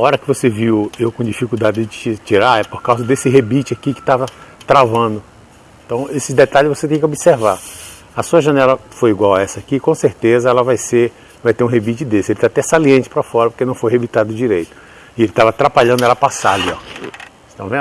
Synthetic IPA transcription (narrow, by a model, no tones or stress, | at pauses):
aɔɾɐkɪvoseviwewkõd͡ʒifikuwd̪ad͡ʒɪt͡ʃit͡ʃiɾaɛpoɾkawzɐd̪esɪɦebit͡ʃɪakikɪ̥t̪avɐt̪ɾavɐ̃d̪ʊ | ẽt̪ɐ̃w̃esɪd̪et̪aʎɪzvoset̪ẽj̃kobiseɾva | ɐsuɐʒɐ̃nɛlɐfojiɡwawɛsɐakikõseɾt̪ezɐɛlɐvajseɾ | ñvajt̪eɾũɦebit͡ʃɪd̪esɪelɪt̪at̪ɛsaliẽt͡ʃɪ̥pɾɐfɔɾɐpo̥kenɐ̃w̃fojɦebit̪ad̪ʊd͡ʒiɾejt̪ʊ̥ | ɪelɪt̪avɐat̪ɾapaʎɐ̃nd̪ʊɛlɐpasaliɔ̰ | t̪ɐ̃vẽ